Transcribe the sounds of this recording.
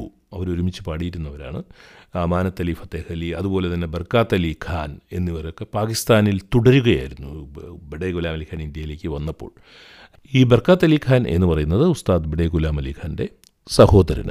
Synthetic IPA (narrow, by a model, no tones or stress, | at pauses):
ɐʋɐɾoɾumit͡ɕːɨpaːɽijiɾunːɐʋɐɾa̰ːɳɨaːmaːnɐt̪ːɐliːfɐt̪ːehɐliɐðupo̞ːle̞t̪ɐnːe̞bɐrkaːt̪ːɐliːkʰaːne̞nːiʋɐɾo̞kːe̞paːkist̪aːnilt̪uɽɐɾuɣɐja̰ːjiɾunːubiɖeːɣulaːmɐlikʰːaːnind̪jɐjileːkʲːɨʋɐnːɐpːo̞̰ːɭ | iːbɐrkaːt̪ːɐliːkʰːaːne̞̰nːɨpɐrɐjunːɐðɨust̪aːd̪biɽeːɡulaːmɐliːkʰaːnde̞ | sɐho̞ːdɐɾɐ̰nɐ̰